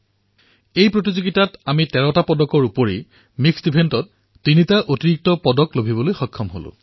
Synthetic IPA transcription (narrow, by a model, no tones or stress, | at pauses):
ejpɹotizoɡitatamitɛɹɔtapɔdɔkɔɹupoɹi | miksdibʰʱentɔtː | initaʔotiɹik̚tɔpɔdɔklobʱibɔlojxɔkʰːɔmɦo̰lʊ̰̃